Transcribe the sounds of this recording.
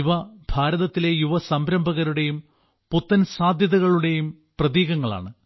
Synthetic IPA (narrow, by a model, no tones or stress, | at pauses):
uʋɐbʱaːɾɐðɐt̪ːile̞juʋɐsɐmbɾɐmbʱɐɣɐɾuɽe̞jum | put̪ːɐnsaːd̪ʱjɐðɐɣɐɭuɽe̞jum | prɐðiːɣɐŋːɐɭa̰ːɳɨ